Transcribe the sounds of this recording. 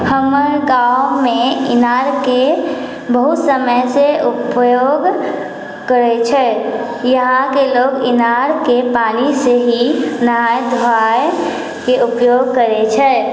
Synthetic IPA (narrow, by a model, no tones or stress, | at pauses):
həməɾɡawomeɪ̰naːɾke | bəɦʊt̪səməjseʊpjoːɡ | kəɾet͡ʃʰɛː | jəɦãkeloːɡɪnaɾkepaːniseɦinɦajd̪ʱɾa | keʔʊpjoɡkəɾet͡ʃʰɛː